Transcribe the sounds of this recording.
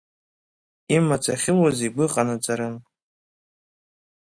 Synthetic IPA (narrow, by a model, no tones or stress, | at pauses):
imat͡sʰʼaχʲɪlaziɡʷɨqʼanɨt͡sʼaɾɨm